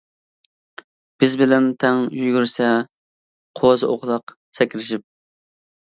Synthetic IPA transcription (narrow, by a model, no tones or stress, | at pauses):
b̥ɪzbɪlɛnt̪ʰɛŋjyɡʲyɾsɛ | qʰozɨʔoqlˠɑq | sɛkʲlɪʃip̚